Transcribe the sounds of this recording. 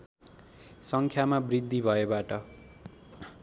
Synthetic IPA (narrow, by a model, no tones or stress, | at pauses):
sʌŋkʰjamabrid̪ʱːibʱʌebaʈʌ